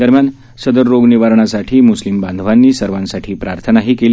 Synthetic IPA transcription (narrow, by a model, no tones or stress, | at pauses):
d̪əɾmjan | səd̪əɾːoɡniʋaɾɳasaʈʰiːmuslimband̪ʱʋanːiːsəɾʋãnsaʈʰiːpɾaɾt̪ʰənaɦiːkeli